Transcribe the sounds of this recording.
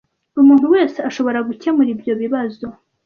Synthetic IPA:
umuːn̥uwe̞ːse̞aʃo̞βo̞ɾaɡucemuɾibjo̞βiβazo̞

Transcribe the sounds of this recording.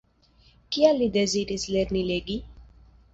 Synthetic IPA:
kialːideziɾislɛɾnileɡi

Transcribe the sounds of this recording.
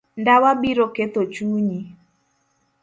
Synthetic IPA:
ndawabiɾoket̪ot͡ʃuːɲi

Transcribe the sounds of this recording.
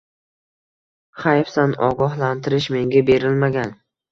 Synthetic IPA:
χajfsanɒ̰ɡɒɦlant̪ʰɪɾɪʃme̞ŋɡʲabe̞ɾɪlmaɡʲan

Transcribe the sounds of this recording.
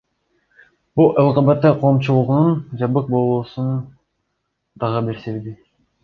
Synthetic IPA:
bulˠɑlˠqɑbɑt̪ːɑqʰo̞ːmt͡ʃulˠuʁnund͡ʒɑbɯq̚bo̞lˠuːsun | d̪ɑʁɯbiɾseɾd̪i

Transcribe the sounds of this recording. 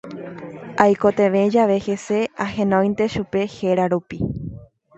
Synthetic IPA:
ajko̞t̪e̞ʋe̞d͡ʒaʋe̞he̞se̞aɦẽ̞nõj̃nt̪e̞ʃupe̞he̞ɾaɾupi

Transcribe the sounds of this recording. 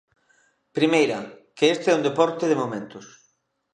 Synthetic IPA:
pɾimejɾɐkeest̪eɛund̪epɔɾt̪ɪðemomẽnt̪ʊs

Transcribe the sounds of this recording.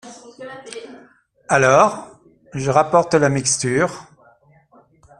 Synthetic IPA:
alɔːʁ | ʒəʁapɔʁt̪lamikst̪yːʁ

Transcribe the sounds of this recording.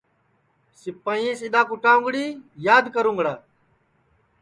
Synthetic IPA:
sɪpəĩːsɪɗ̪aːkʊʈãːʊŋɡɽiːjaːd̪kəɾũːŋɡɽaː

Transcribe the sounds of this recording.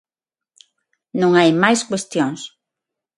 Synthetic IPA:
nõŋajmajskwest̪joŋs

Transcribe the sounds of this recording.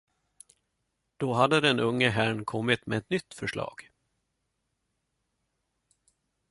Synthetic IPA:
d̪̥oɦad̪ːəd̪ɛnɵŋːəɦæːɳkʰɔmːɪt̪mɛːɛt̪nʏt̪ːfœʂɭɑ̰ːɡ̥

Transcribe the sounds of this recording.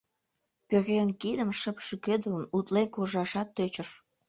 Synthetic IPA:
peɣeənkid̪əmʃəpʃəkød̪ələnut̪lenkoʒɑʃɑt̪ːøt͡ɕəʃ

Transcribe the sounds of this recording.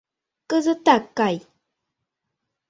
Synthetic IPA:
kəzət̪akːaj

